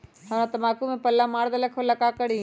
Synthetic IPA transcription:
ɦaʋñãt̪ɐmaːkumẽpɐlːaːmaːɽd̪ɐləkʰolɐkaːkəɽi

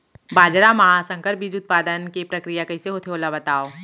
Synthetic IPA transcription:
baːd͡ʒɾamɐɦasə̃ŋkəɾbʱid͡ʒʊt̪̚paːd̪ənkepɾɐkɾijakɐiseɦot̪ʰeoːlabɐt̪aːoː

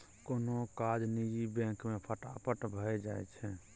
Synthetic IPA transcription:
konokad͡ʒnid͡ʒibɛ̃ŋkmepʰəʈapəʈbʱəjd͡ʒajt͡ʃʰɛ̃

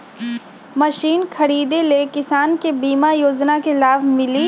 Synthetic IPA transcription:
mɐʃiːnxʰɐɽiːd̪elekɪsaːnkebiːmajoːd͡ʒnakelaːbmɪliː

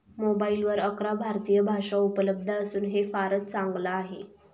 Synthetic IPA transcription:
mobailʋəɾəkɾabʱaɾt̪ijəbʱaʂaupələb̚d̪ʱaəsuːnɦefaɾət̪̚t͡saŋɡlaːɦe

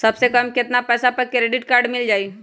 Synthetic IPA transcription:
sɐbsekɐmkɪt̪napɛːsapəɾkɾeɖɪʈkaːɾɖmɪld͡ʒaːi

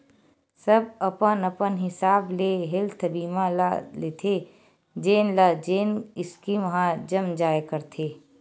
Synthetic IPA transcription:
səbɐpənɐpənɦɪsaːbleɦɪlt̪ʰɐbiːmãla̰let̪ʰe | d͡ʒeːnlad͡ʒeːnɪskimɐɦãd͡ʒɐmd͡ʒaːjkəɾt̪ʰeː

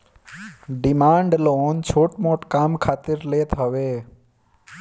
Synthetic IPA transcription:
ɖɪmaːɳɖloːnt͡ʃʰoːʈmoʈkaːmkʰaːt̪ɪɾleːt̪ɦəʋe

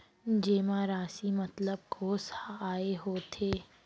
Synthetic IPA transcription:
d͡ʒeːmaɾaːsimɐt̪ləb̚ɡʰʱoːsaːeɦoːt̪ʰeː

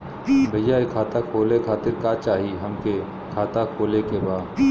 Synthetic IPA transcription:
bʱɐjːaekʰaːt̪akʰoːlekʰaːt̪ɪɾkat͡ʃaːɦiɦɐmke | kʰaːt̪akʰoːlekebaː

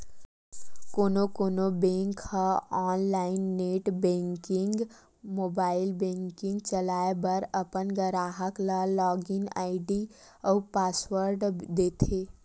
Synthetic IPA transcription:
konokoːnobẽŋkhəɔːnlaɪnːeʈbẽŋkiŋɡ | moːbaɪlbẽŋkĩŋɡt͡ʃəlaebəɾəpənɡəɾaːɦəkləlɔɡina̰ɪɖiəupaːswəɾɖd̪et̪ʰe

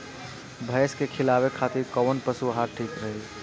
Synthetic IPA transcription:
bʱəjskekʰilabekʰat̪iɾkəwənpəsuɦaɾʈʰikɾəɦi

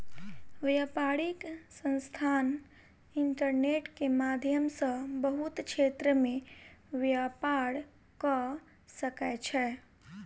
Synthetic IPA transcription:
ʋjapaɽiksə̃nst̪ʰan | iɳʈəɾneʈkemad̪ʱjəmsə̃bəɦut̪t͡ʃʰet̪ɾəmeʋjapaɽ | kə | səkɛt͡ʃʰɛ

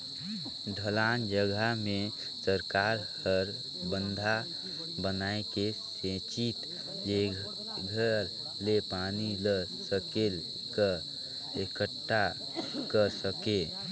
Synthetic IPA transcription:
ɖʱəlaːnd͡ʒəɡʱamẽ | səɾkaːɾhəɾ | bə̃nd̪ʱa | bənaekesẽt͡ʃit̪ | d͡ʒe | ɡʱəɾ | lepaniləsəkel | kə | ekəʈʰːa | kəɾsəke

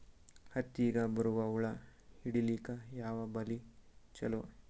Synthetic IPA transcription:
hɐt̪ːiːɡɐbɐɾuʋɐuɭɐhiɽiliːkɐjaːʋɐbɐlit͡ʃɐlo

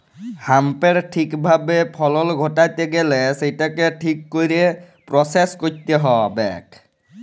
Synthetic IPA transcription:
hampeɹʈʰikbʱabepʰɔlɔlɡʱotajt̪eɡɛlɛsejtakɛʈʰikːojɾe | pɹɔseskot̪eɦɔbɛ̰k

